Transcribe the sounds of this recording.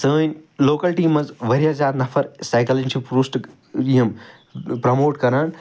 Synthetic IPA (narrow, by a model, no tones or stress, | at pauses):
sə̃ːnloːkɐlʈiːmɐzʋɐɾiɦɐd͡ʒaːɾnɐfʰɐɾsaːɪkɐlĩnt͡ʃʰipɾusʈ | iɦɐm | pɾɐmoːʈkɐɾaːn